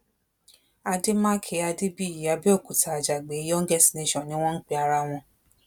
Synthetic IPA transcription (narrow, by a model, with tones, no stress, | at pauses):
a˧de˦mãː˦kʰe˨˦a˧de˦bi˦˨a˨˧˦bi˦o˦˨ku˨tʰa˨d͡ʒa˨ɡ͡be˨˦jɔ˦ŋ̩˦ɡɛ˦si̥˨˦nẽ˨˧˦ʃɔ̃˨nĩ˦w̃ɔ̃˦n̩˦k͡pi˧a˧ɾa˧w̃ɔ̃˧